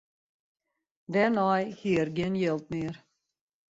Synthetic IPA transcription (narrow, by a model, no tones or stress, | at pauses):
d̪ɛnɑjheːɾɡenjɛlt̪meːɾ